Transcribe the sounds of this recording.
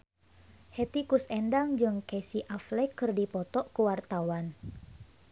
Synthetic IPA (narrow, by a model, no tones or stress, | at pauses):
het̪ikusɛndaŋd͡ʒɨŋkesiʔaflɛkːɨrdipɔt̪ɔʔkuwart̪awan